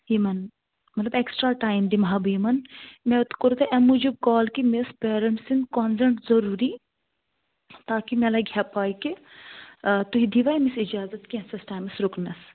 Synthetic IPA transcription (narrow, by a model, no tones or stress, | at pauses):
ɦimɐn | mɐt̪lɐbeksʈɾaːʈaːjmd̪imɦabimɐnmẽut̪koɾt̪eʔɐmud͡ʒub̚kaːlkimespeːɾɐɳʈsinkɔnsɐɳʈzɐɾuːɾi | t̪aːkimelaɡʱjaːpaːiki | t̪uɦid̪ʱiʋaːimisid͡ʒaːzɐt̪kiɐ̃nsɐsʈaːjmɐsɾukʰnɐs